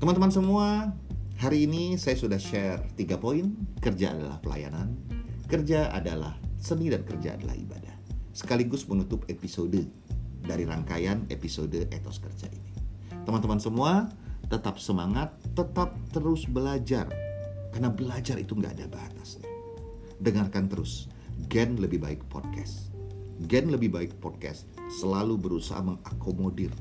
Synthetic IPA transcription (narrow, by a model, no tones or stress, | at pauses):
t̪əmant̪əmansəmuahaɾiːnisajasudahʃɛrt̪iɡapoinkərd͡ʒaa̰dala̰hpəla̰ja̰nankərd͡ʒaa̰dala̰hsənidankərd͡ʒa̰ːda̰la̰hḭba̰dahsə̥kaliɡʊsmənut̪ʊpepisodə | daɾiɾa̰ŋkajanḛpisodəʔet̪o̰skərd͡ʒa̰ʔini | t̪əmant̪əmansəmuaːət̪ap̚səmaŋat̪ːət̪ap̚t̪əɾʊsbəlad͡ʒa̰rkarnabəlad͡ʒarʔḭt̪uŋɡa̰ːdabaa̰t̪asɲa | dəŋarkant̪əɾʊs | ɡɛnləbɪhbaɪk̚pɔ̰d̚kʰɛs | ɡɛnləbɪhbaɪk̚pɔd̚kɛ̰s | səlalubəɾusa̰ɦa̰məŋakomodɪr